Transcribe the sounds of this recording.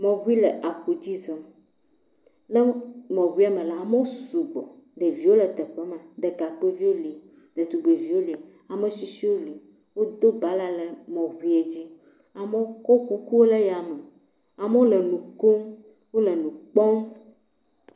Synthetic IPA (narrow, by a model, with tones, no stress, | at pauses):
mɔ̃˨βu˦i˦lɛ˨ʔa˨ku˨d͡ʑi˦zɔ˦ | nɛ˦mɔ̃˨ɣu˦i˦a˦mɛ̃˨la˨a˨me˦wo˦su˨ɡ͡bɔ̰˨ɖe˨vi˦wo˦lɛ˨t̪ɛ˨ɸɛ˦mã˨d̪ɛ˨ka˨k͡pe˦vi˦wo˦li˨ | d̪e˨t̪u˨ɡ͡be˨vi˨˦wo˦li˨ | a˨mẽ˨si˨si˦wo˦li˨ | wo˦d̪o˦ba˦la˦lɛ˨mɔ̃˨ɣu˦i˦e˨d͡ʑi˦ | a˨mɛ˦o˦kɔ˦ku˦ku˦wo˦le˦ja˨mɛ˨ | a˨mə˦wo˦lɛ˨nũ˨ko˦ | wo˦lɛ˨nũ˨k͡pɔ˦ŋ